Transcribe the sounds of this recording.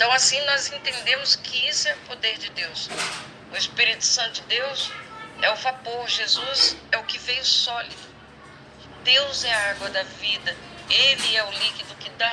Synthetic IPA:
ẽt̪ɐ̃w̃asĩnɔzẽnt̪ẽnd̪ẽmʊskɪisʊɛʊpod̪eɾd͡ʒɪd̪ews | ʊespiɾit̪ʊ̥sɐ̃t̪ʊd͡ʒɪd̪ewsɛʊfaboɾʒezuzɛʊkɪvejʊsɔlid̪ʊ | d̪ewzɛɐaɡwɐd̪ɐvid̪ɐ | elɪɛʊlikid̪ʊkɪd̪a

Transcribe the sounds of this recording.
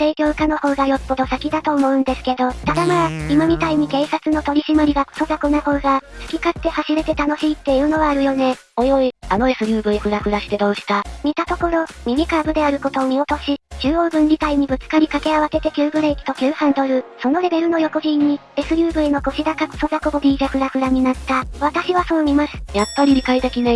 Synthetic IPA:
se̞ːkʲo̞ːkano̞ho̞ːɡajo̞pːo̞d̪o̞sakʲid̪at̪o̞ːmo̞ɯ̟̃nd̪e̞sɨ̥ke̞d̪o̞t̪ad̪amaːimamʲit̪aiɲ̟ike̞ːsat͡sɨno̞t̪o̞ɾʲiɕimaɾʲiɡako̥so̞d̪akonoho̞ːɡasɨ̥kʲikat̪ːe̞haɕiɾe̞t̪e̞t̪ano̞ɕiːt̪ːe̞iɯ̟ːno̞βaːɾɯ̟jo̞ne̞ | o̞jo̞iano̞e̞sɨjɯ̟ːbɯ̟ekɯ̟ɡakɯ̟ɾaɕi̥t̪e̞d̪o̞ːɕi̥t̪amʲit̪at̪o̞koɾo̞mʲimʲikaːbɯ̟d̪e̞aɾɯ̟ko̞t̪o̞ːmʲio̞t̪o̞ɕit͡ɕɨːo̞ːbɯ̟̃ɲ̟d͡ʑit̪aiɲ̟ibɯ̟t͡sɨ̥kaɾʲikake̞aβ̞ase̞t̪e̞kʲɨːbɯ̟ɾeikʲi̥t̪o̞kʲɨːhãnd̪o̞ɾɯ̟so̞no̞ɾe̞be̞ɾɯ̟no̞jo̞ko̞ʑĩɲ̟ːi | e̞sɨɾʲɯ̟ːbɯ̟eno̞ko̞ɕid̪akakɯo̥so̞zakobod̪ʲid͡ʑakɯ̟ɾakɯ̟ɾaɲ̟inat̪ːaβ̞at̪aɕiβaso̞ːɲʲimasɨ̥japːaɾʲiɾʲikait̪e̞kʲine

